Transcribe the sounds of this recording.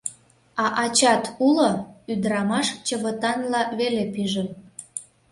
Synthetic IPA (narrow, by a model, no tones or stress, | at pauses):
ɑʔɑt͡ɕɑt̪ʰuloyd̪ɾɑmɑʃt͡ɕəβət̪ɑnlɑβelepyʒə